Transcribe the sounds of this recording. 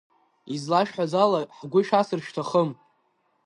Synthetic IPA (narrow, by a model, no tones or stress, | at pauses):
izlaʃħʷazalaħɡʷʊʃᶣasɨrʃtʰaχəm